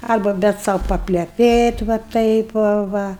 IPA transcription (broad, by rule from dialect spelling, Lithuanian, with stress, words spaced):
ˈɐrbɐ ˈbʲɛt sɐʊ pɐpʲlʲɛˈpʲeːt ʋɐ ˈtɐɪp ʋɐ ˈʋɐ